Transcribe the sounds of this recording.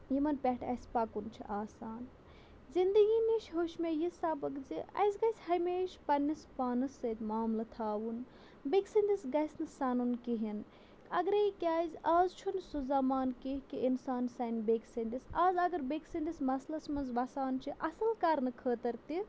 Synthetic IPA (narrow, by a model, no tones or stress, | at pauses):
jimɐnpʲɛʈʰɐ̰jspakunt͡ʃʰḭʔaːsaːn | zind̪ɨɡiniʃɦoːʃmʲejisabɐkziɐ̰jsɡɐjsʲhɐjmeːʃpɐnʲːɐspaːnɨsɐt̪ʲmaːmlɐt̪ʰaːʋun | beksɐnd̪ʲisɡɐjsʲnɨsanunkiɦin | ɐɡɾekʲaːzʲaːzt͡ʃʰunsuzamaːnkiɦkiʔinsaːnsɐnbeːksɐnd̪isaːzɐɡɐɾbeksɐnd̪ismɐslɐsmɐnzʋɐsaːnt͡ʃʰiʔɐsɐlkɐɾnɨkʰəːt̪ɐɾt̪i